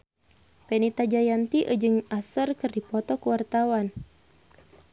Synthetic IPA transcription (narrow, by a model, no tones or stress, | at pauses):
pɛnit̪ad͡ʒajant̪iʔəd͡ʒɨŋasərkɨrdipɔt̪ɔkəwart̪awan